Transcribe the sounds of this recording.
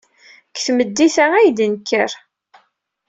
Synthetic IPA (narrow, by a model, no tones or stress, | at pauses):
kθməd̪ːiθææjd̪ənkːəɾ